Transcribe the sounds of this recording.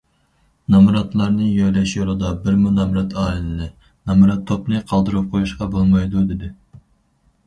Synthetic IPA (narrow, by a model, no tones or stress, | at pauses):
nɑmɾɑt̪lˠɑɾnɨjɑjlɛʃjolˠɨd̪ɑbɪɾmunɑmɾɑt̪ʰɑːlɪlɪlɪ | nɑmɾɑt̪ʰːopnɨqʰɑlˠd̪ɨɾup̚qʰojuʃqɑbolˠmɑjd̪ud̪ɪd̪ɪ